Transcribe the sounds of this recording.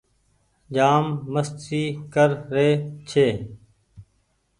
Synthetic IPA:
d͡ʒaːmːəst̪ɾiːkəɾɾeːt͡ʃʰeː

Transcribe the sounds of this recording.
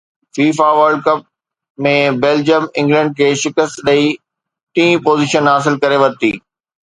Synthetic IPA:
fiːfaʋəɾlɖ̚kɐp̚ | mẽbeːld͡ʑjəmɪ̃ŋɡlə̃ɳɖ̚kʰeːʃɪkəst̪ɗɐi | ʈĩːpoːziːʃənɦaːs̬ɪlkɐɾeʋɐɾt̪iː

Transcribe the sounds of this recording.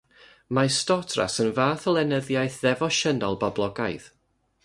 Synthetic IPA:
mastɔtʰra̰sənvaːθəlˠɛnəðjajθðɛvɔʃənɔlˠbablˠɔɡajð

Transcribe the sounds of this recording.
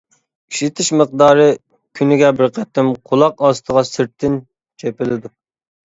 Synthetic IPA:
iʃit̪ʰɪʃməq̚d̪ɑːɾɨ | kʲʰynɪɡʲɛbɪɾqʰɛt̪ːɪmqʰolˠɑqɑst̪ʰəʁɑsɪɾt̪ʰːɪn | t͡ʃʰepɪlɪd̪u

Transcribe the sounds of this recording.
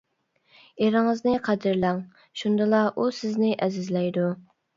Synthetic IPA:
eɾɪŋɨznɪqʰæd̪ɪɾlæŋ | ʃund̪ɨlˠɑʔusɪznɪʔɛzɪzlɛjd̪u

